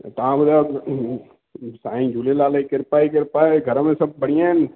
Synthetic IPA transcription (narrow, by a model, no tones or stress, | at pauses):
t̪aãbəd̪a | saːĩd͡ʒʱulelaːleikəɾpaːikəɾpaːeɡʱəɾmẽsɐb̚bəɽijãn